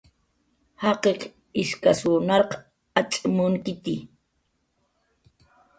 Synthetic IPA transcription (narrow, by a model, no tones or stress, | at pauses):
hɑqeq | ɪʃkasunɑɾq | at͡ʃʼɪmʊŋkɪt̪i